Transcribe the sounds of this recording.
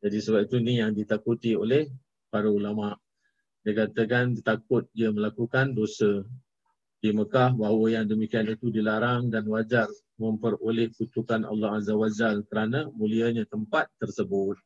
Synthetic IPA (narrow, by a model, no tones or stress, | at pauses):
d͡ʒadisəbap̚it̪unijaŋdit̪akut̪iolɛh | paɾaulamaʔ | dakat̪ək̬andit̪ak̚ʊt̪̚diəməlakukandosə | diməkahbaɦwəjaŋdəmikianit̪udilaɾaŋdanwad͡ʒar | mə̃mpərolɛhkut̪ukana̰lːɔɦazawad͡ʒalkəɾanamũliaɲãt̪əmpat̪ːərsəbʊt̪̚